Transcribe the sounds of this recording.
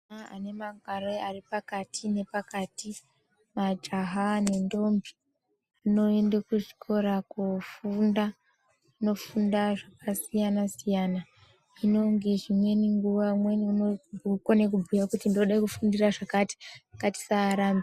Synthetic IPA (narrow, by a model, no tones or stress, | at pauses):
aa̰ne̞maŋɡʱaroaripakatʰine̞pakati | mad͡ʒaɦane̞ndo̞mbi̥ | ano̞e̞ndakuʐikʰo̞ɾakufunda | no̞fundaʐakasijanasijana | ino̞ŋɡe̞ʐimwe̞niŋɡuʋamwe̞niunoukwane̞kubʱujakutindoɗaikufundiraʐakati̥akati̥saːɾambi